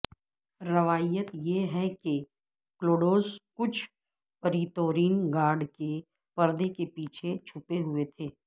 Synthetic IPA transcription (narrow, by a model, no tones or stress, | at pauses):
ɾɐʋaːjət̪jeɦɛke | kloːɖoːskʊt͡ʃʰ | pɐɾiːt̪oːɾiːnɡaːɾɖke | pɐɾd̪ekepiːt͡ʃʰet͡ʃʰʊpeɦʊet̪ʰeː